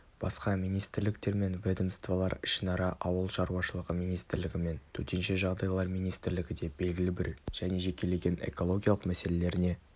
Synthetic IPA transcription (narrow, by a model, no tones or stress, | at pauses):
b̥ɑsqɑmijnijst̪ɪɾlɪkt̪e̞ɾme̞nved̪əmst̪valˠɑɾɪʃɪnɑɾɑʔɑwəlˠʃɑɾuwɑʃəlˠəʁəmijnijst̪ɪɾlɪɡʲɪme̞nt̪ʰɵt̪e̞nʃeʒɑʁd̪ɑjəlˠɑɾmijnijst̪ɪɾlɪɡʲɪd̪e̞be̞lɡʲɪlɪbɪɾʒ̥æne̞ʒe̞kʲe̞le̞ɡʲe̞ne̞̰ko̞lˠo̞ɡʲijalˠəqmæse̞le̞le̞ɾɪne̞